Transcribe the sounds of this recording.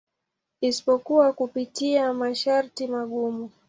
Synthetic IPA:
isi̥pɔkuwakupitiamaʃaɾtimaɠumu

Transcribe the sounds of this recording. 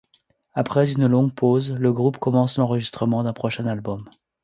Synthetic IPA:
apχɛzynlɔ̃ɡpozləɡʁupkɔmɑ̃slɑ̃ʁəʒist̪χəmɑ̃d̪ɛ̃pχɔʃɛ̃nalbɔm

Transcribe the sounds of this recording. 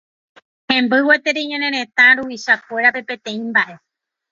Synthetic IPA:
hẽ̞mbɨwe̞t̪eɾeɲẽɾẽɾẽ̞t̪ãɾuiʃakʷe̞ɾape̞pe̞t̪ẽ̞ĩmbaʔe̞

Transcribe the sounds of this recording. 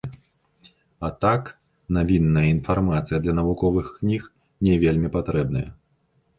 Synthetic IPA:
ɐt̪ak | navʲinːɐjɐinfarmat̪sɨjɐd̪lʲɐnɐvukɔvɨxknʲix | nʲɛvʲelʲmʲipat̪ɾɛb̚nɐ̰jɐ̰

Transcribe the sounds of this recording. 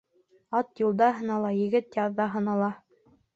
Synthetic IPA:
ɑt̪julˠd̪ɑɦɤ̆nɑlˠɑjɘ̆ɡɘt̪jɑðːɑɦɤ̆nɑlˠɑ

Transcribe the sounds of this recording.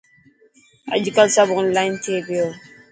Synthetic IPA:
a̰d͡ʒikasabʊʊn̩laintʰeːɡejɔ

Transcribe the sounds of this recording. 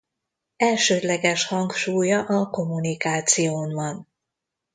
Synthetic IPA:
ɛlʃøːd̪lɛɡɛʃhɒŋkʃuːjɒʔɒko̞mːunikaːt̪sijoːnvɒn

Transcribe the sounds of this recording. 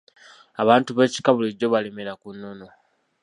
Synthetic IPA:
aβaːntuβe̞ːci̥kaβuliɟo̞βale̞me̞ɾakunːo̞no̞

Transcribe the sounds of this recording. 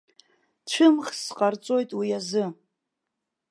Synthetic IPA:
ʈ͡ʂʷʰɨmχsqʼart͡sʼo̞jtʼwijazɨ

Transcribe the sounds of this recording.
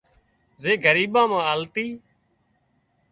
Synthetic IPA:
zeːɡʱəɾiːɓãːmãːəlt̪iː

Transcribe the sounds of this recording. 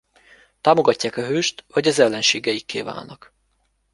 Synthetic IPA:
t̪aːmo̞ɡɒcːaːkɒɦøːʃt̪vɒɟɒzɛlːɛnʃeːɡɛjikːḛːva̰ːlnːɒk

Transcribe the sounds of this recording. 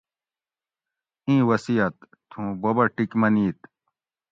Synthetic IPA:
ĩːwɐsijɐt̪ | t̪ʰũbɐbɐʈikmɐniːt̪

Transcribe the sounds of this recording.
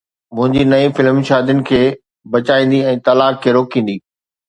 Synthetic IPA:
mʊ̃ɦɪ̃ɲd͡ʑinɐifɪlmʃaːd̪jʊnɪ̆kʰeː | bɐt͡ɕaːĩːn̆d̪iɛ̃ːt̪ɐlaːkʰːeːɾoːkĩːn̆d̪iː

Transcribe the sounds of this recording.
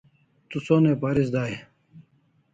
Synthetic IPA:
t̪usoːneːpaːɾis̬d̪aːe

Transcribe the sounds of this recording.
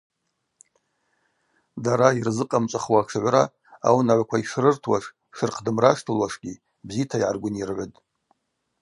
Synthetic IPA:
daɾairzɨqʼamt͡ʃʷʼaχwaʈ͡ʂʰɨʕʷɾa | a̰wnaʕʷakʷʰaiʂrɨrtʰwaʂ | ʂɨrqʰdɨmraʂtʰɨlwaʂɡʲi | bzitʰaiʕa̰rɡʷʊnirʕʷʊtʼ

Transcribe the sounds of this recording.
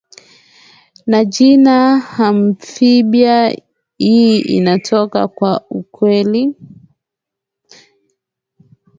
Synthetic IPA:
nad͡ʒinaham̩fiɓija | hiḭnatʰɔka̰kwaukwɛli

